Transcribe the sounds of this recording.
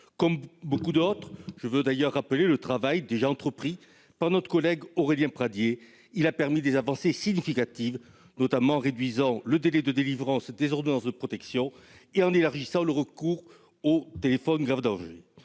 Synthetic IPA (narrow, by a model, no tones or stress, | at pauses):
kɔmbokud̪ɔt̪χʒəvød̪ajœʁːapəlelət̪χavajd̪eʒaɑ̃t̪χəpχi | paʁnɔt̪χəkɔlɛɡɔʁeljɛ̃pχad̪je | ilapɛʁmid̪ezavɑ̃sesiɲifikat̪iv | nɔt̪amɑ̃ʁed̪ɥizɑ̃ləd̪elɛd̪əd̪elivʁɑ̃sd̪ezɔʁd̪ɔnɑ̃sd̪əpχɔt̪ɛksjɔ̃eɑ̃nelaʁʒisɑ̃ləʁəkuʁ | ot̪elefɔnɡʁavd̪ɑ̃ʒḛ